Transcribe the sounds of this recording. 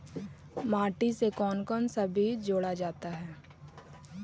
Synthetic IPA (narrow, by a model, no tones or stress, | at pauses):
maːʈisekɔːnkɔːnsɐbʱid͡ʒoːɽad͡ʒaːt̪aɦɛː